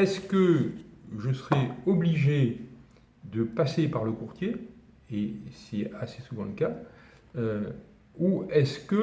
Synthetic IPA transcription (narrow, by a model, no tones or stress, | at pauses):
ɛskə | ʒəsəʁɛɔbliʒe | d̪əpasepaʁləkuʁt̪ʰje | esɛasesuvɑ̃ləka | ø | uɛskə